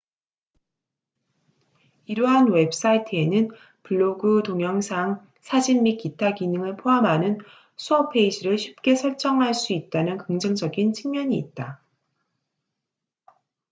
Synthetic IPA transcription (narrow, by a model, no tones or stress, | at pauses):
iɾuɦanwe̞ps͈aitʰɯe̞nɯn | puɭːoɡɯtoŋjʌŋsʰaŋ | sʰad͡ʑimːikitʰaɡinɯŋɯɭpʰoɦamɦanɯn | sʰuʌpʰe̞id͡ʑiɾɯɭɕʰi̥p̚k͈e̞sʰʌɭt͡ɕ͈ʌŋɦaɭs͈uit̚t͈anɯnkɯŋd͡ʑɯŋd͡ʑʌɡint͡ɕʰiŋmjʌɲiːt̚t͈a